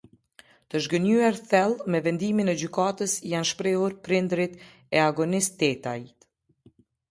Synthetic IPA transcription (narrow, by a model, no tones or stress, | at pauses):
t̪əʒɡənyɛɾθɛlˠmɛvɛnd̪iminɛd͡ʑykat̪əsjanʃpɾɛhuɾpɾind̪ɾit̪ | ɛaɡɔnist̪ɛt̪ajt̪